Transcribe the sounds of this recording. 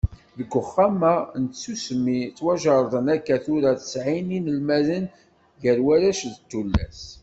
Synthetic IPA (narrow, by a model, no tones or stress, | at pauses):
ðəɡʷːʊχːamænt̪sːusmit͡sːwæʒɑɾˤðˤənækːæθuɾaθə̥sʕininəlmæðən | ʝəɾwæɾæʃðət̪ːulːæ̰s